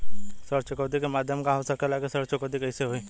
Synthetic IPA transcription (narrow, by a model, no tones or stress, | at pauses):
səɾt͡ʃʊkəːd̪ikemaːd̪ʱjəmkãɦosəkelaːkesəɾt͡ʃʊkəd̪ikɛɪseɦoiː